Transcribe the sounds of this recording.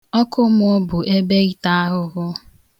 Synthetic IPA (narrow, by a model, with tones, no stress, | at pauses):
ɔ˦kʊ˦m˦o˦bʊ˨ʔe˦be˦ɣi˦ta˦a˦ɦʊ˦ɣʊ˦